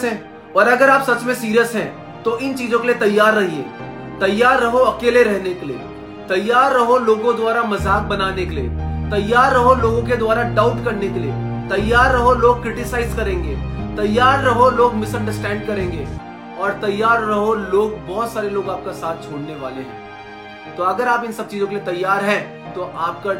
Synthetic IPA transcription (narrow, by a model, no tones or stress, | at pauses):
ɦɛ̃ː | ɔːɾɐɡəɾaːpsɐt͡ʃmẽsiːɾijəsɦɛ̃ː | t̪oɪnt͡ʃiːzõkeliet̪ɐjːaːɾːɐɦiḛː | t̪ɐjːaːɾːɐɦoɐkeːleɾɛɦnekeliḛː | t̪ɐjːaːɾːɐɦoloːɡõd̪ʊaːɾamɐzaːk̚bɐnaːnekeliḛːt̪ɐjːaːɾːɐɦoloːɡõk̬ed̪ʊwaːɾaɖaʊʈkɐɾnekeliḛː | t̪ɐjːaːɾːɐɦoloːɡ̚kɾɪʈɪsaːɪzkɐɾẽːŋɡḛːt̪ɐjːaːɾːɐɦoloːɡmɪsɐ̃ɳɖəɾsʈɛ̃ːɳɖkɐɾẽːŋɡeː | ɔːɾt̪ɐjːaːɾːɐɦoloːɡ̚bɔːt̪saːɾeloːɡaːp̚kasaːt̪̚ʰt͡ʃʰoːɽneʋa̰ːleɦɛ̰̃ː | t̪oɐɡəɾaːpɪ̃nsɐb̚t͡ʃiːzõkeliet̪ɐjːaːɾɦɛ̃ | t̪oʔaːp̚ka